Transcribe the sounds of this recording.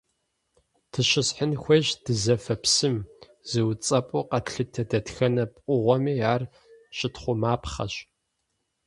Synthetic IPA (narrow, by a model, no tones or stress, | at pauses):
tʰɨɕɪsħənxʷeːʒd̥ɨzɐfɐpʰsɨm | z̥ɨwt͡sʼɐpʼʊqɐtɬɨtʰɐdɐtxɐnɐpʼʷʊʁʷɔmiːaːr | ɕɪtχʷʊmaːpχɐ̰ɕ